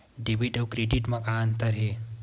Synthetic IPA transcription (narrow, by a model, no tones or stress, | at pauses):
ɖebiʈɐwkɾeɖiʈmɐkant̪əɾɦe